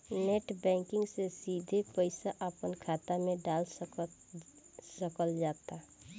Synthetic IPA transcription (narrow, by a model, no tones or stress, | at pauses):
neʈbɛ̃ːŋkɪ̃ŋɡsesid̪ʱepəɪsaʔəpənkʰaːt̪amẽɖaːls | səkəld͡ʒaːt̪a